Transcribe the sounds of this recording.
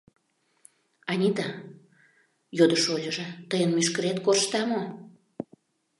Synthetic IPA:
ɑnʲit̪ɑ | jod̪əʃolʲəʒĕt̪əjənmyʃkəɾet̪korʃt̪ɑmo

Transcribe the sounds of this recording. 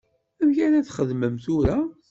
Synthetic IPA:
æmçæɾæθχəðməmθʊɾæ

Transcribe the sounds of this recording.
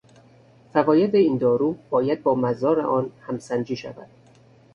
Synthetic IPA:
fævɒːjed̪eiːnd̪ɒːɾuːb̥ɒːjæd̪̚bɒːmæzɒːɾḛʔɒːnhæmsænd͡ʒiːʃæ̰væ̰d̪̥

